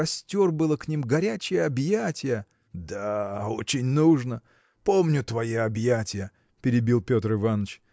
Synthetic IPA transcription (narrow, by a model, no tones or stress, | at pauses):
ɐsʲtʲo̞rbɨlˠəknʲimɡɐɾʲæt͡ɕɪjəɐbjatʲɪjə | d̪ao̞t͡ɕɪnʲnuʐnə | po̞mnʲʊt̪vɐjeɐbjatʲɪjə | pʲɪɾʲɪbʲilˠpʲo̞t̪rɨvanət͡ɕ